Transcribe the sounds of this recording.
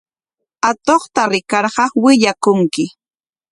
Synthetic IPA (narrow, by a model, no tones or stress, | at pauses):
at̪oχt̪aɾɪkɑɾɢɑwɪʎakʊŋkɪ